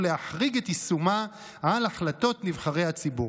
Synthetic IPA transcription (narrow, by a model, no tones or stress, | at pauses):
leaħʁiɡetisuma | alaχlato̞tnivχaʁejhat͡sibu